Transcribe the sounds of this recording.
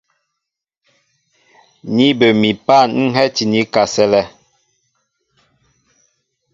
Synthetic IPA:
ni˦bə˨mi˨pa˦˨nŋ̩˦ɦɛ˦ti˨ni˦ka˨sɛ˦lɛ˦

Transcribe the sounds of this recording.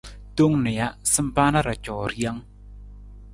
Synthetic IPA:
to˦ŋnɛ˨ja˦sɨ˦mpa˦na˦ɾa˨t͡ʃɔ˨ɾi˦a˦ŋ

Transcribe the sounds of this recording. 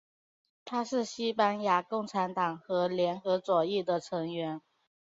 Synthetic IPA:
t̪ʰa˥ʂɻ̩˥˩ɕi˥pa˥nja˧˥kʊ˥˩ŋʈ͡ʂʰa˧˥nt̪ɑ˨˩ŋxɤ˧˥ljɛ˧˥nxɤ˧˥t͡swɔ˨˩ɛ˥˩d̪ə˩ʈ͡ʂʰɤ˧˥ŋɥɛ˧˥n

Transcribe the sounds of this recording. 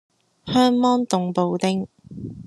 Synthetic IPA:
hœː˥ŋmɔː˥nt̪ʊ˨ŋpo˨˧wt̪ɪ˥ŋ

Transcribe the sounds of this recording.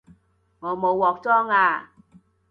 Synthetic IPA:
ŋɔ˨˧mo˨˧wwɔː˨k̚t͡sɔː˦˥ŋaː˧

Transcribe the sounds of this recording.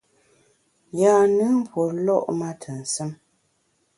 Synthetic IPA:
jaː˨nɨ˦m̩˦pwo˨lɔ̰˦ʔma˦tʰə˨n̩˨sə˦m

